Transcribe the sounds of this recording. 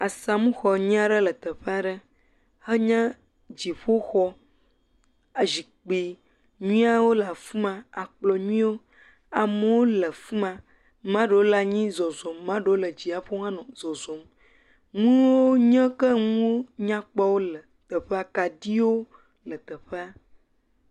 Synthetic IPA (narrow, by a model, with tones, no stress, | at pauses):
a˨sa˨mũ˦xɔ˨ɲĩ˦a˦ɖə˦lə˨t̪ə˨ɸe˦a˨ɖə˦ | hə˦ɲã˦ | d͡ʑi˨ɸo˦xɔ˦ | a˨zi˨k͡pi˨ | ɲũ˦a˦wo˦la˨fu˦mã˨a˨k͡plɔ˨ɲũ˦ĩ˦wo˦ | a˨mə˨wo˦lə˨fu˦mã˨ | mã˦ɖə˨wo˦la˨ɲĩ˦zɔ˨zɔ˨mːã˦ɖə˨wo˦lə˨d͡ʑi˨a˨ɸo˦ŋ˦ã˦nɔ̃˨zɔ˨zɔ˨m | ŋũ˦wo˦ɲə̃˦kə˦ŋ̃ũ˦o˦ɲã˦k͡pa˦wo˦lə˨ | t̪ə˨ɸe˦a˨ka˨di˦wo˦ | lə˨t̪ə˨ɸe˦a˦